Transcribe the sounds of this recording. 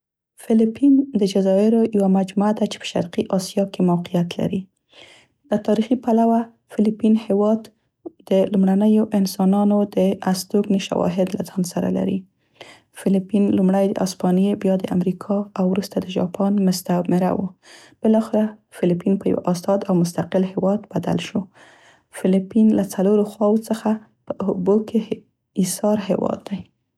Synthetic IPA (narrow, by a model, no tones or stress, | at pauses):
fɪlipind̪əd͡ʒazɑɪɾojawamad͡ʒmuad̪at͡ʃe̥pə̥ʃa̰ɾqiʔɑsijɑkemawqijat̪la̰ɾi | d̪ət̪ɑɾixipalawa | fɪlipinhewɑd̪ | d̪̥əlumɽanəjoʔɪnsɑnɑnod̪əast̪oɡneʃa̰wɑ̰ɦɪd̪la̰zɑnsaɾa̰la̰ɾḭ | fɪlipinlumɽajd̪ə̰ʔɑspɑnjebjɑd̪əʔa̰mɾikʰɑawɾust̪ad̪əʒɑ̰pɑnmʊst̪amɪɾa̰wo | b̥ɪlɑxeɾafɪlipinpəja̰wa̰ʔɑst̪ɑd̪awmʊst̪aqɪlhɪwɑd̪b̥ad̪a̰lʃo | fɪlipinlat͡saloɾoxwɑwot͡səxa | pəʊboke | isɑɾɦḛwɑ̰d̪ːaj